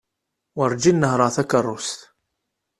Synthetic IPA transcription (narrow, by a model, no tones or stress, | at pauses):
wəɾˤd͡ʒinːəɦɾˤəʁθækərˤːʊst̪